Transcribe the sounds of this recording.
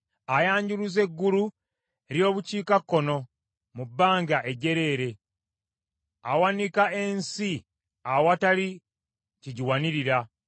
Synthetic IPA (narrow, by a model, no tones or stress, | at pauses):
ajaːɲɟuluze̞ɡːulu | eɾjo̞ːβuciːkakːo̞no̞ | mubːaːŋɡaʔe̞ɟe̞ɾe̞ːɾe̞ | awanikae̞nsi | awatali | ciɟiwaniɾiɾa